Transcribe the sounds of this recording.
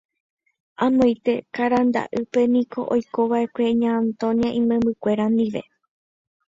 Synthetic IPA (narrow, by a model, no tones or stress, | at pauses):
ãmõjt̪e̞kaɾand̪a̰ʔɨpe̞nĩko̞̰ʔojko̞ʋaʔe̞kʷe̞ɲãnt̪õniaʔĩmẽmbɨkʷe̞ɾand̪iʋe̞̰